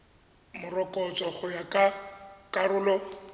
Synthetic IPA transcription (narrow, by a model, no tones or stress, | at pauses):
mʊrɔkʼɔt͡sʼɔχʊjakʼakʼarʊːlɔ